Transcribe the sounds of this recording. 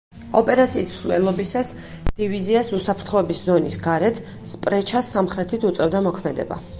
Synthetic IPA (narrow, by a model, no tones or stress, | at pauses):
ɔpʼɛɾat̪sʰiːslɛ̰lˠɔbisas | d̪̥iviziasusapʰɾt̪ʰχɔɛbiszɔnisɡaɾɛt̪ʰ | spʼɾɛt͡ʃʰasːamχɾɛt̪ʰit̪ʰut̪sʼɛvd̪amɔkʰmɛd̪ɛ̰ba̰